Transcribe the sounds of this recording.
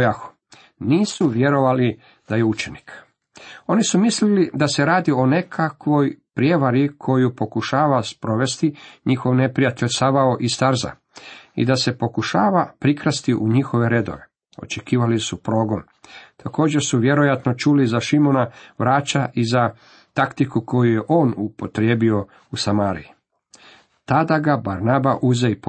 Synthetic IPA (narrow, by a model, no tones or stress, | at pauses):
jaxo̥ | niːsuʋje̞ɾo̞ʋali | d̪̥ajeut͡ʃenik | o̞nisumislilid̪ase̞ɾaːd̪io̞ne̞kʰakʋo̞jpɾjeʋaɾikʰo̞jupo̞kuʃaːʋaspɾo̞ʋe̞st̪iɲixo̞ʋne̞pɾijat̪eʎʲsaʋaoʔist̪aɾza̰ | ḭd̪ase̞po̞kuʃaːʋapɾikɾast̪iʔuɲixo̞ʋe̞ɾe̞d̪o̞̰ɾe | o̞̰t͡ʃe̞kiːʋalisupɾo̞ːɡo̞n | t̪ako̞ːd͡ʑe̞ɾsuʋje̞ɾo̞jat̪no̞t͡ʃulizaʃimo̞naʋɾaːt͡ɕaʔiza | t̪akt̪ikuko̞jujeʔo̞ːnupo̞t̪ɾjeːbio̞ | usamaːɾḭi | t̪ad̪aɡabaɾnabaʔuzeip